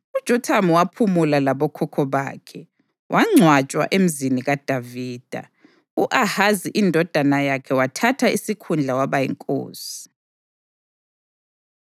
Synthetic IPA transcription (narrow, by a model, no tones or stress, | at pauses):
ud̥ʒ̥ʱɔtʰamuwapʰumulalaβɔkʰɔkʰɔβa̰ːkʰɛ | wʔaŋ͡ǀʱwat͡ʃʼwa̰ʔem̩ziniɣad̥ʱaviːd̥ʱa̰ | uʔahaziʔindʱɔd̥ʱanajakʰɛwatʰatʰaisikʰund͡ɮʱawaβajɛ̰ŋkʼo̰ːsi̥